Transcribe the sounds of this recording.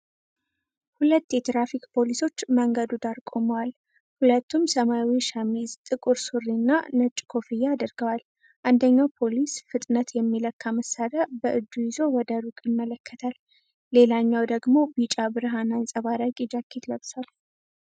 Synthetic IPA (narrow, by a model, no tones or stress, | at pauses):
hulət̪ːjɛt̪ɾafikpʰo̞liso̞t͡ʃːməŋɡəd̪ud̪aɾkʼo̞məwal | hulət̪ːumsəmawiʃamizt̪ʼɨkʼuɾsurːinːa̰nət͡ʃʼkʰo̞fɨjːaːd̪əɾɡəwal | ʔand̪əɲːawpʰo̞lisfɨt̪ʼnət̪jɛmːiləkʰːaməsad̪abəʔɨd̪ːujɪzo̞wɔd̪əɾukʼjɪmːələkːət̪ʰalː | e̞laɲːawd̪əɡmo̞bit͡ʃʼabɨɾɨɦanansʼəβaɾakʼid͡ʒakʰːet̪ləβsal